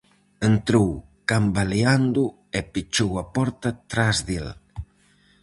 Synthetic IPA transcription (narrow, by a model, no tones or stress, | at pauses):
ent̪ɾowkambaleand̪u | epit͡ʃowapɔɾt̪at̪ɾazðel